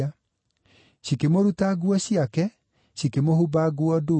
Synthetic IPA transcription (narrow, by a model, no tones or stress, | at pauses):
a | ɕikemoɾutaɡwɔɕiakɛ | ɕikemohubaɡwɔdo